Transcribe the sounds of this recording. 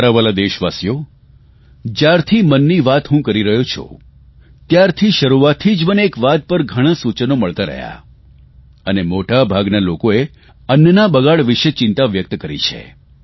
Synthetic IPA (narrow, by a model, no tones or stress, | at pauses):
ɾaʋalad̪eʃʋasijo | d͡ʒjaɾt̪ʰimənːiʋat̪ɦũkəɾiɾəɦjot͡ʃʰo̰ | t̪jaɾt̪ʰiʃəɾuat̪ʰid͡ʒmənekʋat̪̚pəɾɡʱəɽ̃ãsut͡ʃənoməɭt̪aɾə̰ɦja̰ | ənemoʈabʱaɡnalokoe | ənːnabəɡaɭʋiʃet͡ʃɪ̃nt̪aʋjək̚t̪kəɾḭt͡ʃʰḛ